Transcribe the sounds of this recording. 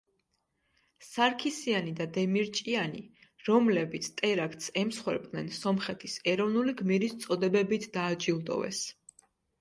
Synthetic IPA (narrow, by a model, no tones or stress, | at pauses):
saɾkʰisianid̪ad̪ɛmiɾt͡ʃʼianiɾɔmlɛbit̪sʰt̪ʼɛɾak̚ʰt̪ʰsɛmsχwɛ̰ɾpʼnɛnsɔmχɛt̪ʰisɛɾɔvnuliɡmiɾist̪sʼɔd̪ɛbɛbit̪ʰd̪aːd͡ʒilˠd̪ɔ̰vɛ̰s